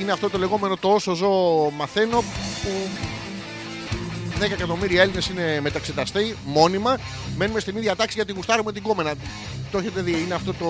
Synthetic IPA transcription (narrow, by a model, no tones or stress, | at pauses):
ineɐft̪o̞t̪o̞le̞ɣo̞me̞no̞t̪oosozo̞ːmɐθeno̞pu | ðe̞kɐekɐt̪o̞miɾiɐe̞line̞sine̞me̞t̪ɐkset̪ɐst̪imo̞nimɐ | me̞numest̪iniðʝɐt̪ɐksiʝɐt̪iɣust̪ɐɾumet̪iɡome̞nɐ | t̪o̞çet̪eðiineɐft̪o̞t̪o